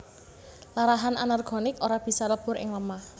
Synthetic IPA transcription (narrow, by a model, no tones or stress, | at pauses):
laɾaɦananarɡ̥ɔ̤nɪkoɾab̥i̤saləb̥ʊ̤ɾɪ̰ŋləmah